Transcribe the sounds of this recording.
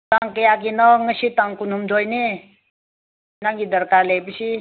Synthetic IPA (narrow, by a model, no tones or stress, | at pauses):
t̪ãŋkəjak̬inəŋəsit̪ãŋkunɦumd͡ʒ̪ojni | nãŋɡid̪əɾkaɾlepisi